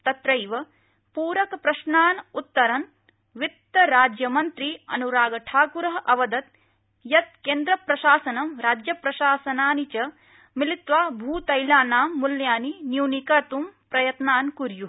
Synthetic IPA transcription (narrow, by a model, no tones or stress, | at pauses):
t̪ɐt̪ɾɐjʋɐ | puːɾɐkɐpɾɐʃnaːnut̪ːɐɾɐn | ʋit̪ːɐɾaːd͡ʒjɐmɐnt̪ɾiɐ̰nuɾaːɡɐʈʰaːkuɾɐɦɐʔɐʋɐd̪ɐt̪̚ | jɐt̪̚keːnd̪ɾɐpɾɐʃaːsɐnɐmɾaːd͡ʒjɐpɾɐʃaːsɐnaːnit͡ʃɐ | milit̪ʋaːbʱuːt̪ɐjlaːnaːmːuljaːninjuːnikɐt̪umpɾɐjɐt̪naːnkuɾju